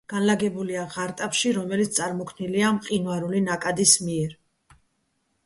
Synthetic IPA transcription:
ɡ̥anlaɡɛbuliaʁaɾt̪ʼapʃiɾɔmɛlit̪st̪sʼaɾmɔkʰvmniliamqʼinwaɾulinakʼad̪ismiɛɾ

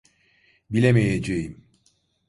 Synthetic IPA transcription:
bilʲemejed͡ʒejim

